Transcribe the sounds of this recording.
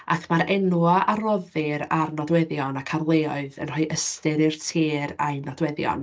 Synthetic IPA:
a̰kʰmaɾɛnuaʔarɔðɪɾarnɔdwɛðjɔnakʰarlˠeːɔɨðə̰nrɔjʔəstɨɾɪrtʰeːɾa̰ɨnɔdwɛðjɔ̰n

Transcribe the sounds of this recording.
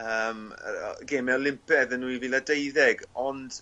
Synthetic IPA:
əːm̰ɡeːmɛɔlɪmpɛðənːuiviːladejðɛɡɔnd̥

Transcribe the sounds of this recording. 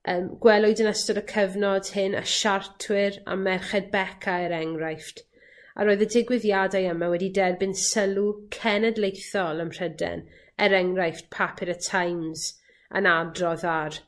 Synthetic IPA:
ʔəːmɡ̥wɛlˠʊɨdənəstɔɾəkʰəvnɔd̥hɪnə̰ʃartʰwɪɾa̰mɛrχɛd̚bɛkʰaɛɾɛŋrajft | a̰ɾoːɨðədɪɡwɪðjadajəmawɛdidɛrbɪnsəlˠukʰɛnədlˠejθɔlˠəmr̥ədɛ̰n | ɛɾɛŋrajft̚pʰapʰɪɾətʰajmz | ə̰nadrɔðar

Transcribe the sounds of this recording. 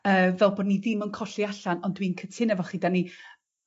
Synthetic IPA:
əːvɛlˠbɔːdniðɪmənkʰɔɬiaɬanɔndwiːnkʰətʰɪnɛvɔχiːdani

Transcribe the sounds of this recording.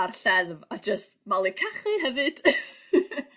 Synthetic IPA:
arɬɛðvad͡ʒəstmalˠikʰaχɨɦɛvɨd̥

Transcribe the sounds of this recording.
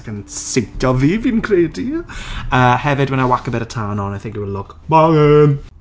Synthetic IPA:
kənsɪjtʰjɔviːviːnkʰreːdiəːhɛvɪdwɛnawakəbɛɾətʰanɔnajθɪ̃ŋk̚diwɛlʊɡ | maə

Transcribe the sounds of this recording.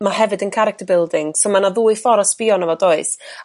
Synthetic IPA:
mahɛvɨdənkʰaɾɪk̚tʰəbɪlˠdɪŋsomanaðuːɨfɔɾɔsb̥iːɔnəvɔdoɨs

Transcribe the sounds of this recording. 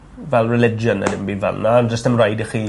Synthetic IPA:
vɛlˠrɛlɪd͡ʒənə̰dɪmbivɛ̰lˠnaand͡ʒəstəmrajdəχiː

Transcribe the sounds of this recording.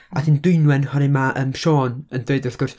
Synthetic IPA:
adiːndʊɨnwɛnhɔnɪmaʔəːmʃoːnəndweɨdʊrθɡ̥ʊrs

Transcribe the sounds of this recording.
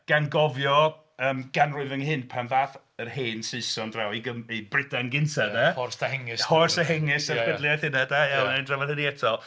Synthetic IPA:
ɡ̥anɡɔvjɔ | əːmɡ̥anrʊɨvɪŋɦɪnpʰanvaːθ | ərheːnsɨɨsɔndrawiɡəmibrɪdanɡɪntʰaðɛɔrsahɛŋɪshɔrsaɦɛŋɪsəkʰɛdlˠjaθɪnadajɛlnaɨndravaðhəniɛtʰɔlˠ

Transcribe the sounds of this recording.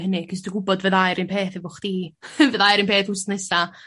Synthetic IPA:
hənɪkʰɪs̬duɡʊbɔdvəðajɾinpʰeːθɛvʊχd̥iːvəðajɾinpʰeːθʊstnɛsa

